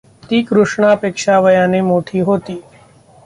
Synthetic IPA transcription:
t̪iːkɾʊʂɳaɐpeːkʃaʋəjaːnemoːʈʰiːɦoːt̪iː

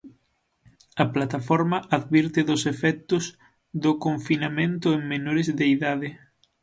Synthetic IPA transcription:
ɐplat̪afɔɾmɐʔaðβiɾt̪ɪðʊsefɛk̚t̪ʊz | ðʊkoɱfinamẽnt̪ʊeŋmenoɾezðeiðaðɪ

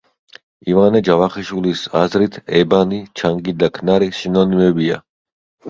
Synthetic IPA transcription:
ivanɛd͡ʒavaχiʃwilisazɾit̪ʰɛbanit͡ʃʰaŋɡid̪akʰnaɾiʃinɔnimɛbia̰

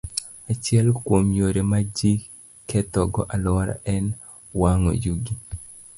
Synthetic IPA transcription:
at͡ʃɪɛlkwomjoɾemad͡ʒi | kːɛtɔɡɔʔalaɾa̰ɛn | waŋo̰juɡi

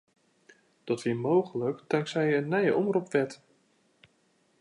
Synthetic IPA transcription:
d̥ɔtʋiːmowɣələkdaŋksɛjənːɛjəʔɔmrupʋɛt

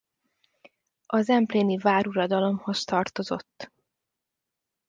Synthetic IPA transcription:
ɒzɛmpleːnivaːɾuɾɒd̪ɒlo̞mho̞st̪ɒrt̪o̞zo̞̰t̪ː

